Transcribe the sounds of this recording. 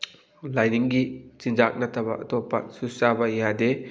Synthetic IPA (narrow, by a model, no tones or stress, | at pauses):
lajniŋɡit͡ʃind͡ʒak̚nɐtʰɐbɐ̰ʔɐ̰tɔpːɐ̰susabɐijade